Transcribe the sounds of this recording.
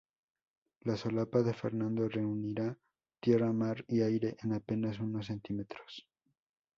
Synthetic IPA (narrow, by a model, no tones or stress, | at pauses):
lasolapaðe̞fe̞ɾnãnd̪o̞re̞uniɾa | t̪je̞ramaɾiajɾe̞ʔenape̞nas̬uno̞s̬ːe̞nt̪ime̞t̪ɾo̥s